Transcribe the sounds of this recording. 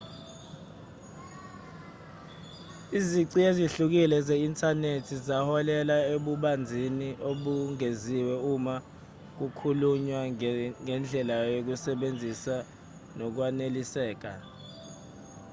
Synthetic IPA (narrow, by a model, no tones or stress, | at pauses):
iziǀieziɬuk̬ilɛzeintʰʼanetʰizahɔlɛlaeɓuɓand͡zʱiniʔoɓuŋeziwɛuma | k̬ukʰuluɲwaŋɛnd͡ɮʱɛlajok̬usɛɓend͡zʱisa | nɔk̬wanelisɛːk̬a